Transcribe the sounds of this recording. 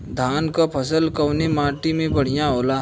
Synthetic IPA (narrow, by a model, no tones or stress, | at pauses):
d̪ʱaːnkapʰɐsəlkɐwnemaːʈimẽbɐɽ̤ijãɦoːlaː